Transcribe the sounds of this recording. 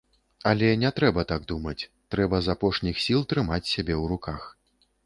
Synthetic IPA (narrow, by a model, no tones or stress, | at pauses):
ɐlʲɛnʲɛt̪ɾɛbɐt̪aɡ̚d̪umɐt͡sʲt̪ɾɛbɐzapɔʂnʲixsʲilˠt̪ɾɨmat͡sʲsʲabʲɛwɾukax